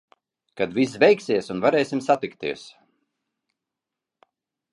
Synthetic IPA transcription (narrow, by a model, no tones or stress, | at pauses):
kad̪vis̬vʲɛjksʲiɛsunvaɾɛːsʲimsat̪ikt̪ḭɛs